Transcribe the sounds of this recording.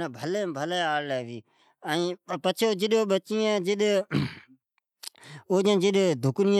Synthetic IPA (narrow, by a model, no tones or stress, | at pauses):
aːbʱəleːbʱəleːaːɽlɛːʋiː | əĩːpət͡ʃʰed͡ʒɪɗoːɓət͡ʃijãːd͡ʒɪɗ | oːd͡ʒãːd͡ʒɪɗd̪ʱʊknɪjã